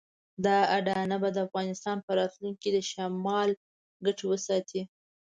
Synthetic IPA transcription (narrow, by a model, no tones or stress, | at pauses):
d̪ɑaɖɑnabad̪əafɣɑnɪst̪ɑnpəɾɑt̪luŋkid̪əʃamɑl | ɡaʈowəsɑt̪ʰi